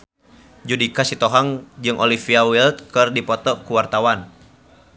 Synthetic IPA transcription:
d͡ʒudikasit̪ɔɦaŋd͡ʒɨŋʔɔlifiawilt̪̚kɨrdipɔt̪ɔkuwart̪awan

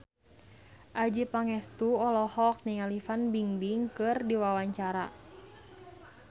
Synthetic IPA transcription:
ʔad͡ʒipaŋɛst̪uɔlɔhɔk̚niŋalifanbiŋbiŋkɨrdiwawaɲt͡ʃaɾa̰

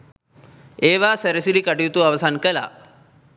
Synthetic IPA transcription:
eːʋasəɾəsilikɐʈijt̪uaʋəsankəla̰

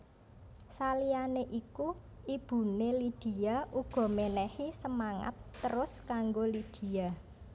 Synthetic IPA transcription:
salianeʔiku | ib̥ṳnelid̪̥i̤aʔuɡ̥ɔ̤menɛhisəmaŋa̰t̪ːəɾʊskaŋɡolid̪̥i̤a

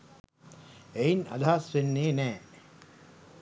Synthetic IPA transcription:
eina̰d̪ʱaːsʋenːeːnɛː

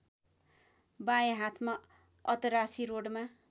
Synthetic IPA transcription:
bajẽɦat̪ʰma | ʌt̪ʌɾasiɾoɽma

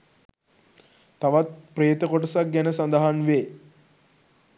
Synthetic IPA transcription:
t̪aʋat̪̚preːt̪əkoʈəsak̚ɡænəsand̪əɦanʋe

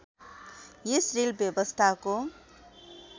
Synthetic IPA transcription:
jesrilbjʌbʌst̪ʰako

